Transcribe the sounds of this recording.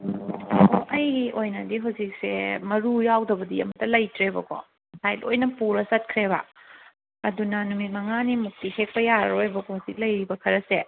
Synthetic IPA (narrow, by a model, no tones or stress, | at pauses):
oʔɐjɡiojnɐdiɦɐwzik̚sḛmɐɾujawdɐbɐdiɐ̰mɐtːɐlɐjtɾebɐ̰kʰɔ̰ | sajlojnɐpuɾɐsɐt̚kʰɾeβɐ̰ | ɐdunɐnumit̚mɐŋanimuk̚tihek̚pɐjaɾɾojbɐkʰɔhɐwzik̚lɐjɾibɐkʰɐɾɐse